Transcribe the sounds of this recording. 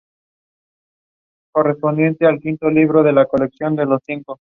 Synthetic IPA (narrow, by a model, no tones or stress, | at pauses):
ko̞re̞spo̞nd̪je̞nt̪ealkint̪o̞liβ̞ɾo̞ð̞e̞lako̞le̞ksjo̞nd̪e̞lo̞sθiŋko